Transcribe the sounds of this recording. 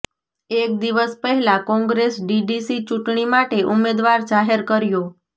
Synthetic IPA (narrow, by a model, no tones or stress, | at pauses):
ek̚d̪iʋəspəɦɛlãkɔ̃ŋɡɾesɖiɖisit͡ʃuʈɳimaʈeʔumed̪ʋaɾd͡ʒaɦeɾkəɾjo